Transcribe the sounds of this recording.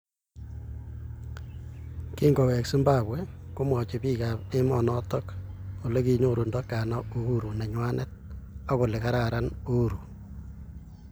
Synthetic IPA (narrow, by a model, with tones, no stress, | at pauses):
ki˦ŋɡo˨wɛ˨ksu˦mba˨bwɛ | ko˦mɔ˨t͡ʃe˨piː˦ka˨pe˦mɔ˨nɔ˦tɔ˦ko˨le˦ki˦ɲo˦˨ɾu˨ndɔ˦kːa˨na˦u˦u˦ɾu˨ne˨ɲwa˦nʔɛ˦t̚a˦ko˨lɪ˨ka˦ɾaɾa˦nu˦ɾu˨